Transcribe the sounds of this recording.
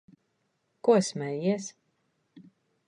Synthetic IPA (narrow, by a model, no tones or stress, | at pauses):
kusmɛjiɛs